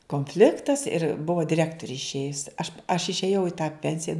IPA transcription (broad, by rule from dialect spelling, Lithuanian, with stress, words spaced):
koːnʲˈfʲlʲɪktɐs ɪr ˈbʊʋoː dʲɪˈrʲæːktoːrʲɪ ɪʃʲˈeːjʊs ɐʃ ɐʃ ɪʃʲeːˈjɛʊ ɪ tɑː ˈpʲɛnʲsʲɪjɛ